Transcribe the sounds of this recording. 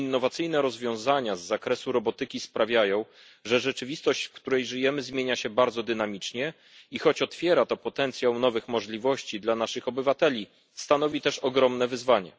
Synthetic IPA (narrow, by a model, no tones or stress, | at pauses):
inːɔvat̪sɘjnɛɾɔzvʲjɔ̃w̃zaɲazːakɾɛsuɾɔbɔt̪ɘkʲispɾavʲjajɔ̃w̃ | ʐɛʐɛt͡ʂɘvʲist̪ɔɕt͡ɕfkt̪uɾɛjʐɘjɛmɘzmʲjeɲaɕɛbaɾd̪zɔd̪ɘnamʲit͡ʂɲɛ | ixɔt͡ɕɔt̪fʲjɛɾat̪ɔpɔt̪ɛnt̪sʲjawnɔvɘxmɔʐlʲivɔɕt͡ɕid̪lanaʂɘxɔbɘvat̪ɛlʲi | st̪anɔvʲit̪ɛʂɔɡɾɔmnɛvɘzvaɲɛ̰